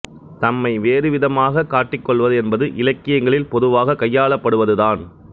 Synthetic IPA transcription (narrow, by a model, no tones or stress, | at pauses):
t̪ɐmːɐɪʋeːɾɯʋɪðɐmaːɣɐkaːʈːɪkːɔɭʋɐðɯɛnbɐðɯʔɪlɐkːɪjɐŋɡɐɭɪlpɔðɯʋaːɣɐkɐjːaːɭɐpːɐɽɯʋɐðɯðaːn